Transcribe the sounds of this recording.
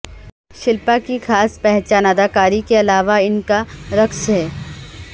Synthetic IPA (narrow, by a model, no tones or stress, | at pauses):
ʃɪlpakixaːspɛɦt͡ʃaːnad̪aːkaːɾikeɐlaːʋaɪnkaɾɐksɦɛː